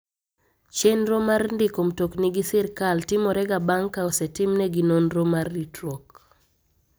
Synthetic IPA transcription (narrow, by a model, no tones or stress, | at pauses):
t͡ʃenɾomarndɪkomtokniɡisiɾkaltɪmɔɾɛɡabaŋkːaosɛtɪmnɛɡinonɾomarːitɾok